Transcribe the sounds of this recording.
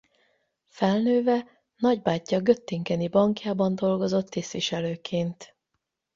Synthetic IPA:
fɛlnøːvɛ | nɒɟbaːcːɒɡø̞t̪ːiŋkɛnibɒŋkjaːbɒnd̪o̞lɡo̞zo̞t̪ːist̪ʋiʃɛløːkʰeːnt̪

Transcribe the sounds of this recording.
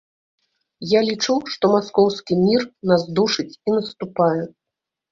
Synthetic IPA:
jalʲit͡ʂuʂt̪ɔmaskɔwskʲimʲirnazd̪uʂɨt͡sʲinɐst̪upajɛ

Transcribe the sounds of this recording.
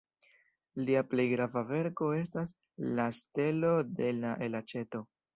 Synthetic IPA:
liaple̞jɡɾavave̞ɾko̞e̞stas | laste̞lo̞de̞laʔelat͡ʃe̞to̞

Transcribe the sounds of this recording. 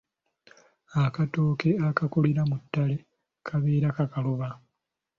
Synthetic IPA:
akatoːkeakakuliɾamutːale | kʰaβeːɾakakaloβa

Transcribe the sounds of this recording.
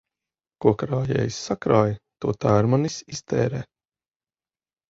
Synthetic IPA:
kuɔkɾaːjɛ̰ːjsːakɾaːjt̪uɔt̪aːɾmanisist̪ʰɛːɾɛː

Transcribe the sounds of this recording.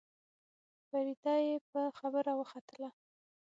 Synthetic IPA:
faɾid̪ɑjep̚əxabəɾawəxat̪əla

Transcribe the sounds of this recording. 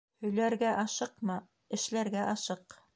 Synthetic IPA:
hɵ̆jlæɾɡæʔɑʃɤqmɑ | ɘ̆ʃlæɾɡæʔɑʃɤq

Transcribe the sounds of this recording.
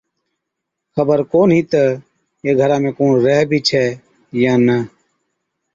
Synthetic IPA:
xəbəɾkoːnɦiːt̪ə | eːɡʱəɾãːmẽːkõːnɾɛɦbʱiːt͡ʃʰɛː | jãːnə

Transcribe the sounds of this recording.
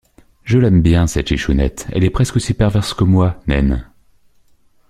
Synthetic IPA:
ʒəlɛmbjɛ̃sɛt̪iʃunɛ̰t̪ɛ̰lɛpχɛskosipɛʁvɛʁskəmwanɛ̰n

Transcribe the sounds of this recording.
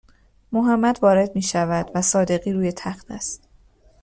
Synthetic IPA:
moɦæmːæd̪vɒːɾe̞d̪miːʃævæd̪̥væsɒːd̪e̞ɣiːɾuːje̞t̪ʰæxt̪ʰæst̪

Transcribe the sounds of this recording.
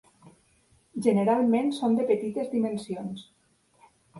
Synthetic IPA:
ʒeneɾalˠmẽnsond̪əpət̪it̪ezd̪imensions

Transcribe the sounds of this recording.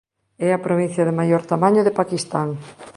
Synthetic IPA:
ɛɐpɾoβĩn̟θjɐðemajoɾt̪amaɲoðepakist̪aŋ

